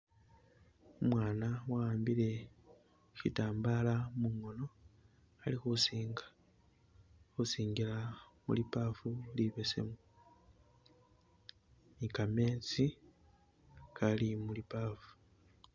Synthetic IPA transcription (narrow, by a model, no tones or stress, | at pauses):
umwaːnawaaːmbile̞ | ʃitaːmbalamuŋo̞no̞ | alixusiːŋɡḁ | xusiːŋɡilamṵlipafuliβe̞se̞̰mu | mikame̞ːt͡si | kalimulipaːfu̥